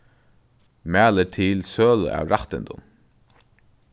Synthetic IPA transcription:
mæːləʈʰɪlsøːləʔɑ̰ːʋɾɑht̪ənd̪ʊ̰n

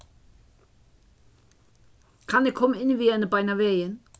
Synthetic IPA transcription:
kʰɑnekʰɔmɪnʋiːɛnəbaɪnaʋeɪən

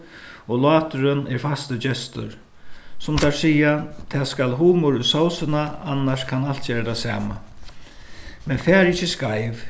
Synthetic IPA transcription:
ɔlɑːt̪ʏɾʏnɛɾfast̪əd͡ʑɛst̪ʏ̰ɾ | sʊmt̪ʰaɹsiːjat̪ʰɛːskalɦuːmʊɾʏsawsɪnaanːaʂkʰanal̥t̪̚t͡ɕeːɾat̪ʰasa̰ːma̰ | mɛnfɛːɾɪcːəskajv

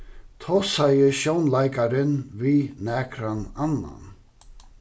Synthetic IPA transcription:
t̪ʰɔsajəʃjɔwnlajkaɾɪnviːnæːkʰɾananːa̰n

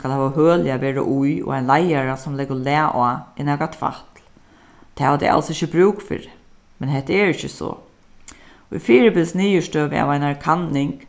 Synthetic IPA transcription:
skalhɛːʋahœːlɪaʋeːɾa̰ʔujɔ̰ɣajnlajaɾasʊmlɛkʊlɛːʔaɪnɛːkat̪ʰva̰ht̪l | t̪ʰɛːʋad̪ɛ̰jʔa̰lsɪçːɪbɾʉːkfɪ̰ɾɪ | mɛnɦɛt̪əɛɹɪçəsɔ̰ | ʊ̰jfiːɾɪbɪlsniːjəʂt̪øːʋɪa̰vajnaɹkʰanːɪŋk

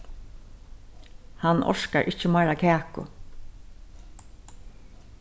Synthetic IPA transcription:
hanʔɔ̰ʂkaɹʔɪht͡ʃəmaːɾakʰæːkʊ̰

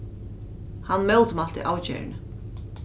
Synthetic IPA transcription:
hanːmɛwlt̪ʏmal̥t̪ɪ̰ʔaːwt͡ɕɛ̰ːɾɪ̰nʏ

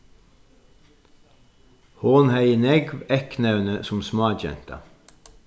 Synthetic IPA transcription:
hoːnhæɪənɛɡʋɛknœʉnəsʊmsmɑːd͡ʒɛ̰nt̪ɑ̰

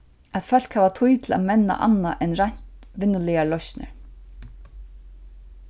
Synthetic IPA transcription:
æt̪fœl̥khæːvat̪ʰujt̪ʰl̩a̰ðmɛnːa̰ʔa̰nːaʔɛnɾaɲ̥t̪ʋɪnːʏlɪalɔsnɪ̰ɹ

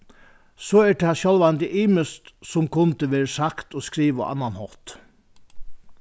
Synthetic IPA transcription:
soːɛʈɛhɑʃœlʋɑnd̪ɪʔiːməst̪sɔmkʰʊnt̪əʋeːɾəsakt̪oːskɾiːʋə̰ʔɑ̰nːɑnhɔt̪

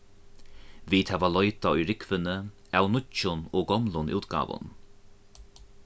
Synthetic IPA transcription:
viːt̪hæːvalɔjt̪aʊjɾɪkvənə | awnʊt͡ʃːʊnoːɡɔmlʊnṵːt̪ɡa̰ːʋʊ̰n

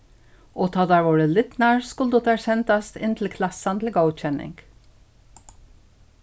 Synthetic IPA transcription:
ʔoːt̪ʰɑːd̪æɾʋʊɾəlɪt̪næːɹskʊld̪ɔt̪æːsɛnt̪ɑst̪ɪ̰nt̪ʰl̩kʰlɑsɑnt̪ʰl̩ɡəʊc͡çɛnɪ̰ŋɡ̥

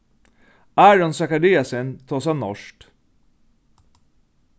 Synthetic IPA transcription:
æːɹɔnsɑkɑɾiːɑsənt̪ʰoːsɑnɔʃʈ

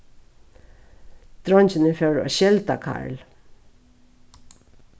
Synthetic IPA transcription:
d̪̥ɾɔnt͡ɕɪnəfjœɾa̰ɕɛlt̪akʰa̰ɹl

